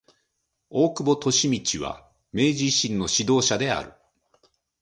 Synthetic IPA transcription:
o̞ːkɯ̟bo̞t̪o̞ɕimʲit͡ɕiβ̞a̰ | me̞ːʑiɕĩnːo̞ɕid̪o̞ːɕad̪e̞a̰ɾɯ̟̰

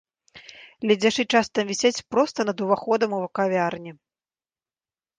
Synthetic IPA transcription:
lʲɛd͡zʲaʂɨt͡ʂast̪ɐmvʲisʲat͡sʲpɾɔst̪ɐnɐd̪uvaxɔd̪ɐmuvɐkavʲarnʲi

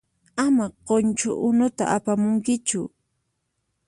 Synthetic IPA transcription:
amaqont͡ʃʊ̰ʔʊnʊt̪a̰ʔapamʊŋkɪt͡ʃʊ

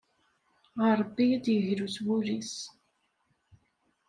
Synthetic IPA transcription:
ʁɑɾˤəbːid̪jəʝɾuswuɾis

